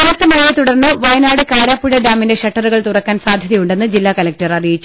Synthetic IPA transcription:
ɐnɐt̪ːɨmɐɻijet̪uɽɐrnːɨʋɐjɐnaːɽɨkaːɾaːpːuɻɐɖaːmːinde̞ʂɐʈːɐruɣɐɭt̪urɐkːaːnsaːd̪ʱjɐðɐjuɳɖe̞nːɨd͡ʑilːaːkɐlɐk̚tɐrɐrijit͡ɕːu̥

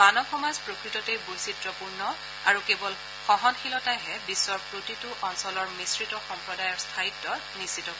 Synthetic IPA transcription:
manɔxɔmazpɹokɹitɔtejbojsitɹɔpuɹnɔ | aɹukebɔl | xɔɦɔnxʰilɔtajɦɛbisːɔɹpɹotitʊʔɔnsɔlɔɹmisɹitɔxɔmpɹɔdajɔɹstʰajidːɔɹnisitɔkɔ

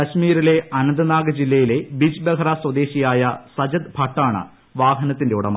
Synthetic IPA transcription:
kɐɕmiːɾile̞ʔɐnɐnd̪ɐnaːɡɐd͡ʑilːɐjile̞bid͡ʑbekʰɐɾaswɐd̪e̞ːɕijaːjɐsɐd͡ʑɐd̪bʱɐʈːaːɳɨ̰ | ʋaːɦɐnɐt̪ːinde̞uɽɐ̰m

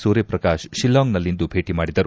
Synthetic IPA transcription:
suːɾjɐpɾɐkaːʃʃilːaːŋnɐlːind̪ubʱe̞ːʈimaːɽid̪ɐɾu

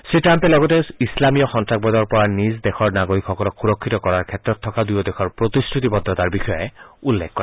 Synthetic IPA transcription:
sɹitampelɔɡɔteislamijɔxɔntɹak̚bɔd̪ɔɹpɔɹanisd̪exʰɔɹnaɡoɹikxɔkɔlɔkxuɾɔkʰːit̪ɔkɔɹaɹkʰetɹɔt̪ʰːɔkad̪ujɔd̪exʰɔɹpɹot̪istʰut̪ibɔd̪ːɔt̪aɹbixɔjɔeulːekʰːɔɾe

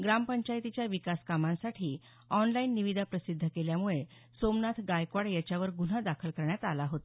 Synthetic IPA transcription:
ɡɾampəɲt͡ɕajt̪it͡ɕjaʋikaskamãnsaʈʰiː | ɔnlainːiʋid̪ʱapɾəsid̪ʱːəkeljamuɭe | somnat̪ʰɡajkʋaɽjat͡ɕjaʋəɾɡun̤ad̪akʰəlkəɾɳjat̪alaɦot̪a

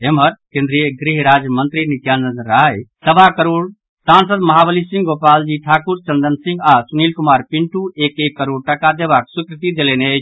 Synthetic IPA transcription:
emɦəɾkẽnd̪ɾijəɡɾiɦɾad͡ʒjəmənt̪ɾinit̪janənɾajsəbakəɾoːɽ | sans̬əd̪mɐɦabəlisĩŋɡopaːld͡ʒiʈʰaːkuɾt͡ʃənd̪ənsĩŋɡasunilkumaːɾpiɳʈuekekːəɾoːɽʈəkad̪ebaksukɾit̪id̪elenet͡ʃʰ

